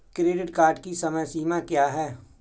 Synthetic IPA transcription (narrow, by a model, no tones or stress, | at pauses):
kɾeːɖɪʈkaːɾɖkisɐməjsiːmakjaːɦɛː